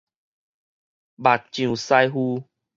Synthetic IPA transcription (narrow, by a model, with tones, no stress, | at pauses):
ba˨˩t̚t͡ɕjũ˨˩sa˧jɦu˧